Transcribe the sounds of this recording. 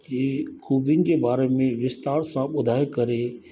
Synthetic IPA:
iːxʰuːbiənɪ̆d͡ʑeːbaːɾemẽʋɪst̪aːɾsãɓʊd̪ʱaːekɐɾe

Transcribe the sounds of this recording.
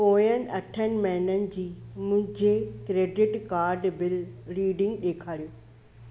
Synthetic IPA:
oːjənɪ̆ɐʈʰənɪ̆mɐɦɪnənɪ̆d͡ʑiːmʊ̃ɦɪ̃d͡ʑekɾeːɖɪʈkaːɾɖbɪlɾiːɖɪ̃ŋɡɗeːkʰaːlijoː

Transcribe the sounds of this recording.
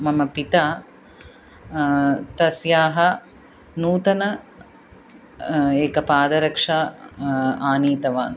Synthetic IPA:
mɐmɐpit̪aː | t̪ɐsjaːɦɐ | nuːt̪ɐnɐ | eːkɐpaːd̪ɐɾɐkʂaː | aːniːt̪ɐʋaːn

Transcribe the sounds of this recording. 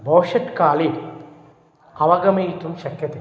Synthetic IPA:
boːʂɐʈkaːli | ɐʋɐɡɐmijt̪umʃɐkjɐt̪e

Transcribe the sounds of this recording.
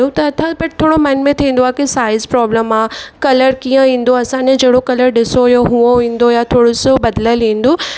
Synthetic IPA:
ot̪ɐːt̪ʰãbɐʈ̚ʰt̪ʰoːɽomɐnmẽt̪ʰĩːnd̪oaːkisaːɪzpɾɔːbləmaːkɐləɾkĩːə̃ʋĩːn̆d̪oɐsãnẽd͡ʑɐɦɽokɐləɾɗɪsoʋjoɦuoʋĩːnd̪ojat̪ʰoːɽosobɐd̪ləlĩːnd̪oː

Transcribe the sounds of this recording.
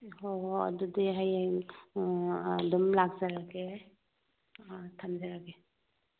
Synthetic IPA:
oɐ̰dudiɦajaŋ | dɔmlak̚zaɾaɡe | tʰamzaɾaɡe

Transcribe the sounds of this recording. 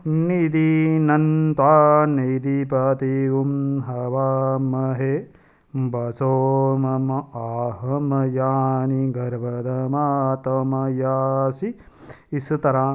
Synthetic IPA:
nid̪inɐnt̪waːnid̪ipɐt̪iʋumɦɐʋaːmɐɦe | bɐsoːmɐmɐaːɦɐmɐjaːniɡʱɐɾbɐd̪ɐmaːt̪ɐmɐjaːsiː | st̪ɐɾaː

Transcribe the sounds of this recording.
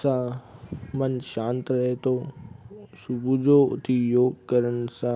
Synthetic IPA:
sã | mɐnʃãːnt̪ɾɐɦet̪ʰo | sʊbʱud͡ʑoːʊ̰t̪ʰijoːɡkɐɾəɽ̃̆sãː

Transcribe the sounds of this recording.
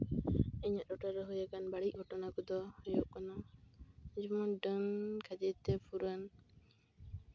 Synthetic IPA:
iɲaʔdɔʈaɾɔɦujakanbaɽic̚ˀɡʱɔʈɔnakɔd̪ɔhɔjoʔkana | d͡ʒɔmɔɖənkʰad͡ʒit̪ɛpʰuɾan

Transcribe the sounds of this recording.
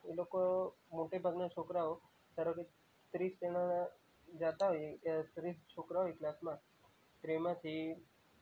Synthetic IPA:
elokomoʈebʱaɡnat͡ʃʰokɾaɦo | səɾoke | t̪ɾiːst̪enã | d͡ʒat̪aɦojet̪ɾist͡ʃʰokɾaɦojeklasmã | t̪ɾemãt̪ʰi

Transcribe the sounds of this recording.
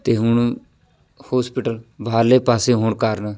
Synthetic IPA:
t̪eːɦʊɳ | hoːspɪʈəlbʱaːɾleːpaːseːɦoɳkəɾn

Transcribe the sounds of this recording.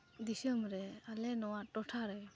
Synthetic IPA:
d̪isəmɾealenɔwatɔtʰaɾe

